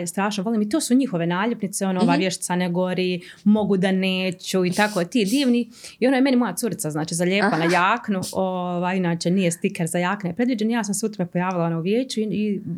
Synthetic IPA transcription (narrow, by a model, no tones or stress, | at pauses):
st̪ɾaːʃnoʋo̞liːmit̪oːsuɲixo̞ʋe̞naːʎupnit̪seo̞nooʋaːjʋjeʃi̥t̪saneɡo̞ɾi | mo̞ɡud̪aneːt͡ɕuit̪akot̪iːd̪iːʋni | io̞noːjeme̞nimo̞jat̪suɾit̪saznaːt͡ʃiːzaʎeːpanajaːknuoʋaːjinaːt͡ʃenijest̪ikaɾzajaːknejpɾe̞d̪ʋiːd͡ʑe̞nijaːsamseut̪omepojaːʋilˠaonouʋjeːt͡ɕuii